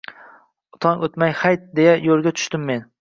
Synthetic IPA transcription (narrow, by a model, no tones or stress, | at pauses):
ʊt̪ʰɒnʔot̪majhajt̪̚d̪e̞jajolˠɡʲat̪ʰʊ̥ʃt̪ɪmːe̞n